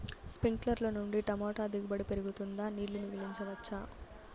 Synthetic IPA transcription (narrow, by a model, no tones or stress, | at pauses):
spiŋklɐɾloːnuɳɖiʈɐmɔːʈaːd̪iɡubɐɽipeɾuɡut̪und̪aːniːɭːunuɡiliɲt͡ʃɐʋɐt͡ʃːaː